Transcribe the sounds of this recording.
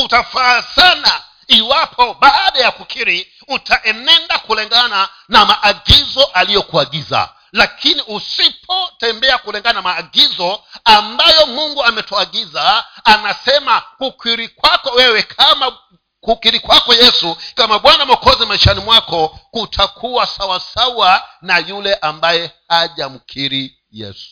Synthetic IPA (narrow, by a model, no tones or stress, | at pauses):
utafasana | iwapʰɔɓaːɗajakukʰiɾi | utaʔɛnɛndakulɛŋɡana | namaʔːɠizɔʔalijɔkuaɡiza̰ | lakʰiniʔusipʰɔtɛmbɛakulɛŋɡanamaːɡizɔambajɔmuŋɡuamɛtuaɠizaːnasɛmakukwiɾikwakɔwɛwɛkʰama | kukiɾikwakɔjɛsukamaɓwanamɔkɔzɛmaiʃanimwakɔkutʰakʰuwasawasawanajulɛʔambajɛhaʄam̩kʰiɾi | jɛ̰su̥